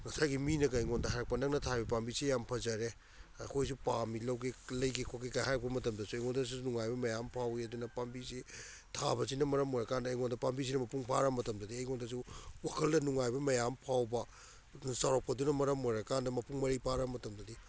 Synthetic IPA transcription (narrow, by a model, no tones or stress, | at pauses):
ŋɐsajɡiminɐɡɐjŋondɐɦajɾɐk̚pɐnɐŋnɐtʰajbɐpambisijampʰɐzɐɾe | akʰojs̬upamilɐwɡilɐjɡikʰokikahajk̚bɐmɐtɐmdɐsuɐjŋondɐs̬unuŋajbɐmɐjampʰawiɐdunɐpambisi | tʰabɐsinɐmɐɾɐmɔjɾɐkandɐːjŋondɐpambis̬inɐmɐpuŋpʰaɾɐmɐtɐmdɐdiɐjŋondɐs̬uwakʰɐldɐnuŋajbɐmɐjampʰawbɐ | nɐsawɾapʰɐdunɐmɐɾɐmɔjɾɐkandɐmɐpuŋmɐɾipʰaɾɐmɐtɐmdɐdi